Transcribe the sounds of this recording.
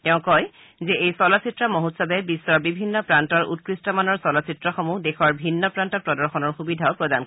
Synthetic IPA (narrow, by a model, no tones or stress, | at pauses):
tɛʊ̃kɔj | zɛʔejsɔlɔsitɹɔmɔɦutsɔbɛbisːɔbibʱinːɔpɹantɔɹṵt̚kɹistɔmanɔɹsɔlɔsitɹɔxɔmudekʰɔɹbʱinːɔpɹantɔpɹɔdɔɹxɔnɔɹxubidʱaʊpɹɔdan